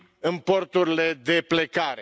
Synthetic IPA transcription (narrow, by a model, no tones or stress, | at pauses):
ɨnpo̞rt̪uɾile̞d̪e̞ple̞kaɾe